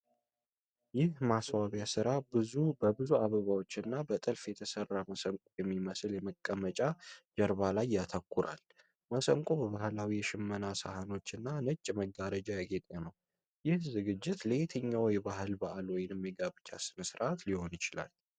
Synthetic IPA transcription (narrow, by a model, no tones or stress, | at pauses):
jɪhmaswaβjasɨɾabɨzubəbɨzuaβəβawo̞t͡ʃːɨnːabət̪ʼɨlfjɛt̪ʰəsərːaməsəŋkʼujɛmːiməsljɛməkʼːəmət͡ʃʼad͡ʒəɾβalajːat̪ʰəkʰʷːʊɾa̰l | məsəŋkʼubəβahlawijɛʃɪmːənasə̰hano̞t͡ʃːɨnːanət͡ʃʼːməɡaɾəd͡ʒajaɡet̪ʼenəw | jɪhzɨɡɨd͡ʒːɪt̪leet̪ʰəɲːawɔjbaɦɨlbaʔalwɔjɪnɨmːɛɡaβɨt͡ʃːa̰sɨnsɨɾaʔat̪liho̞njɪt͡ʃɪla̰l